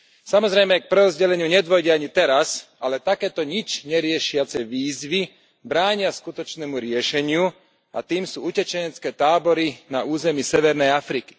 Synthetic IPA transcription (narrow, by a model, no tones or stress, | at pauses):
samɔzɾɛjmɛk̚pɾɛɾɔzɟɛlɛɲɪuɲɛd̪ʋɔjɟɛaɲit̪ɛɾasalɛt̪akɛːt̪ɔɲit͡ʃɲɛɾɪɛʃɪat͡sɛʋiːzʋi | bɾaːɲɪaskut̪ɔt͡ʃnɛːmuɾɪɛʃɛɲɪu | a̰t̪iːmsuːucɛt͡ʃɛɲɛt͡skɛːt̪aːbɔɾinauːzɛmiːsɛʋɛɾnɛjafɾiki̥